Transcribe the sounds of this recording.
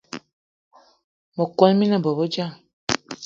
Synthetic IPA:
mɔ˨ko˦lmi˦na˦˨bɔ˨bo˦d͡ʒa˦˨

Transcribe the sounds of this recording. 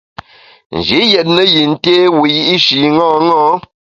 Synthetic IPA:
n̩˨d͡ʒi˨˦jɛ˨t̚nə˦ji˨n̩˦te˦wu˨ji˦ʔi˦ʃi˨ŋɔ̃ː˦ŋɔ̃ː˦

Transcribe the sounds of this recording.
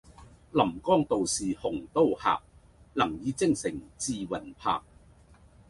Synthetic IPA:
lɐ˨˩mkɔː˥˩ŋt̪o˨wsiː˨hʊ˨˩ŋt̪o˥˧wha̰ː˨˩k̚ | lɐ˨˩ŋjiː˨˧t͡sɪ˥ŋsɪ˨˩ŋt͡siː˧wɐ˨˩npʰa̰ː˧k̚

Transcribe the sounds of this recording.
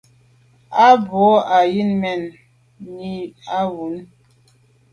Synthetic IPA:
a˦bɔ˨˦a˨ji˦nmɛ˦˨nː | i˦a˦wu˨˦n

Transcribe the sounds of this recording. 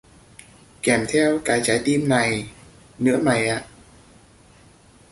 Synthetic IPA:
kɛ˧˩mt̪ʰɛ˧wkaː˨˦jt͡ɕaː˨˦jt̪i˧mna˨˩j | nɨ̰˧˥əma˨˩jʔa̰ː˧˨

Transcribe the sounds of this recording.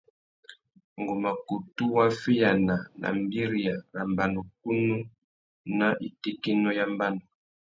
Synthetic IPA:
ŋɡo˨ma˨ku˨tu˦wa˦fi˦ja˨na˨nʔa̰˨mbi˦ɾi˨ja˨na˨mba˨no˨k̚u˦nu˦ | na˦ʔi˨ti˦ki˦nɔ˦ja˦mba˦nɔ˨

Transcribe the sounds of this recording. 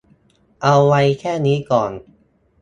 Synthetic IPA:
ʔa˧wːa˧jkʰɛː˥˩niː˦˥kɔː˨˩n

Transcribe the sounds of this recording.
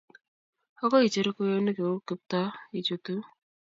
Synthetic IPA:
ɔ˦kɔ˦i˨t͡ʃe˨ɾe˦ko˦jo˦ne˦ke˨o˦kɪ˦p̚t̪a˦i˨t͡ʃo˨t̪u˦

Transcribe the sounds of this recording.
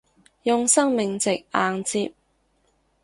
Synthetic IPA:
jʊ˨˧ŋsɐ˥ŋmɪ˨ŋt͡sɪ˨k̚ʔaː˨ŋt͡siː˧p̚

